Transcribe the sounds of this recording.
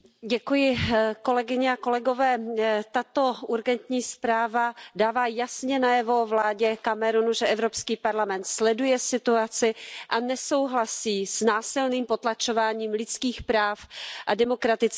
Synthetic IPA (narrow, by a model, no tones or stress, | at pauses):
ɟɛkujɪko̞lɛɡɪɲɛako̞lɛɡo̞vɛːt̪at̪o̞ʔuɾɡɛnt̪ɲiːspɾaːvadaːvaːjasɲɛnajɛvo̞vlaːɟɛkamɛɾunuʒɛʔɛvɾo̞pskiːpaɾlamɛnt̪slɛdujɛsɪt̪uat͡sɪʔanɛso̞wɦlasiːsnaːsɪlniːmpo̞t̪lat͡ʃo̞vaːɲiːmlɪt͡skiːxpɾaːfʔadɛmo̞kɾat̪ɪt͡s